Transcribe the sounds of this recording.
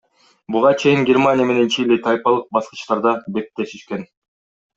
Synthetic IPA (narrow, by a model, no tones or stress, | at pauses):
buʁɑt͡ʃʰe̞jiŋɡʲermanʲɪjəme̞ne̞nt͡ʃʰilʲit̪ʰajʲpɑlˠɯq̚bɑsqɤ̥̆t͡ʃt̪ɑɾd̪ɑbe̞t̪ːe̞ʃiʃken